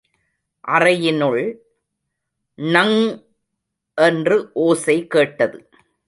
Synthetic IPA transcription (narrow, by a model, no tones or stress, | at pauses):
ʔɐrɐjɪnɯɭ | nɐŋ | ʔɛndrɯʔoːsɐɪkːeːʈːɐðɯ